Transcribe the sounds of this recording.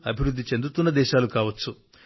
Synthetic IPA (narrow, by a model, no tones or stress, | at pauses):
ɐbʱiɾud̪ʱːit͡ʃe̞nd̪ut̪unːɐd̪ɛːʃaːlukaːʋɐt͡sːu